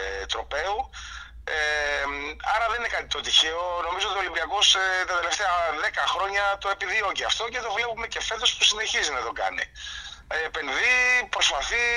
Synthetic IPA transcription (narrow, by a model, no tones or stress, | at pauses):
t̪ɾo̞pe̞u | e | ɐɾɐðeninekɐt̪it̪o̞t̪içeo̞no̞mizoot̪io̞limbiɐko̞set̪ɐt̪ele̞ft̪eɐðe̞kɐxɾo̞ɲɐt̪o̞epiðio̞ceɐft̪o̞ce̞t̪o̞vle̞pume̞ce̞fe̞t̪o̞spusine̞çizinɐt̪o̞ɡɐ̰nḭepe̞nðipɾo̞spɐθi